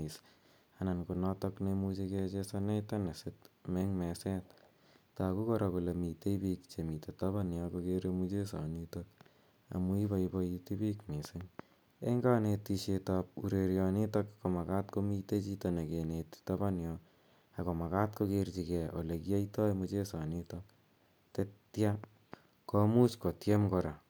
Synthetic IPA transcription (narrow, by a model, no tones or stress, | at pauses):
is | anankonɔtɔknemut͡ʃeket͡ʃesanetanesɪtmɛŋmɛsɛt | takukɔɾakulemiteipikt͡ʃemitetaβanjɔkokeɾemut͡ʃesɔ̰nitok | a̰muipaibɔitipikmisɪŋ | ḛŋɡanetːiʃetap̚ṵɾeɾjɔnitokkomakatkomitet͡ʃitonekenettabanjɔ | akomakat̚kokert͡ʃikɛʔolekiaitɔjmut͡ʃesanitok̚ | tetja | komut͡ʃkotjemkɔɾa